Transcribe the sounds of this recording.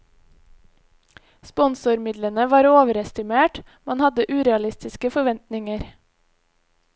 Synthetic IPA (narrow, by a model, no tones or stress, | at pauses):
spɔnsʊɾmɪd̪lənəʋɑːɾoːʋəɾɛst̪ɪmeːʈ | mɑnhɑd̪əʔʉːɾɛɑlɪst̪ɪskəfɔʋɛnt̪nɪŋəɾ